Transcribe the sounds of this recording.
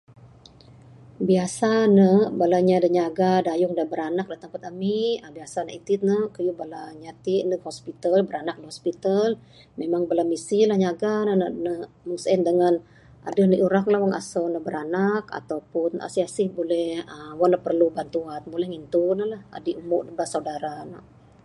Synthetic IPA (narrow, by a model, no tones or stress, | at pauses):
biasanəbalaɲadəɲaɡadajʊŋdabəɾanak̚dat̪aŋpat̪amiəbiasanə̰ʔit̪ɪt̪̚nəkəjubalaɲat̪inəkhospit̪albəɾanak̚nəhɔspit̪al | memaŋbalamisilahɲaɡanənənə | məŋsɛndəŋan | ʔa̰dəhnəʔuɾaklahwaŋa̰sonəbəɾanaka̰t̪awpʊna̰siasɪhbolɛhəwanəpərlubant̪uanbulɛhŋint̪unəlaha̰diʔumuʔdəbasaudaɾanə